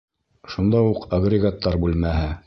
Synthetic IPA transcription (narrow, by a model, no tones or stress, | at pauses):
ʃund̪ɑuqɐɡrʲɪɡat̪ːɑɾbʉlmæhɘ